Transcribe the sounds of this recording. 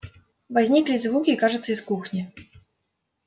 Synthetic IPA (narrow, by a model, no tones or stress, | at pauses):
vazʲnʲiklʲizvukʲiːkaʐɨt̪sːəiskuxnʲi